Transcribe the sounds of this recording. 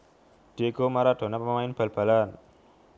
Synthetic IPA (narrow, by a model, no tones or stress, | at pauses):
ɖ̥ekomaɾaɖʱo̤napamamajinb̥əlbʱalan